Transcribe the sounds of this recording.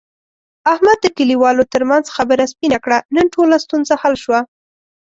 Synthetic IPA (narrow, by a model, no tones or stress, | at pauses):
ahmad̪̚ːəkəliwɑlot̪əɾmanzxabəɾaspinakɽanənʈolast̪unzahalʃwa